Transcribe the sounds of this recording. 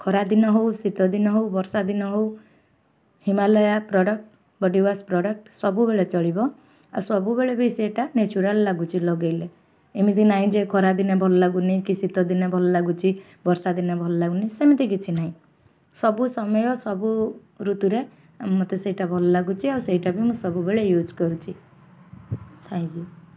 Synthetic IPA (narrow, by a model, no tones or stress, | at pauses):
kʰɔɾad̪inɔɦowsit̪ɔd̪inɔɦowbɔɾsad̪inɔɦow | himalɔjapɾɔɖɔk̚ʈ | bɔɖiwaspɾɔɖək̚ʈsɔbubeɭet͡ʃɔɭibɔ | a̰sɔbubeɭebeiseʈanet͡ʃuɾalːaɡut͡ʃʰilɔɡejle | emit̪ʰinaɦĩd͡ʒekʰɔɾad̪inabʱɔlɔlaɡuneikisit̪ɔd̪inebʱɔlɔlaɡut͡ʃʰi | bɔɾsad̪inabʱɔlɔlaɡunisemit̪ikit͡ʃʰinaɦĩ | sɔbusɔmɔjɔsɔbu | ɾut̪uɾe | mɔt̪eseiʈabʱɔlɔlaɡut͡ʃʰiawseɦiʈabimũsɔbubeɭejud͡ʒkɔɾut͡ʃʰi | t̪ʰãŋkju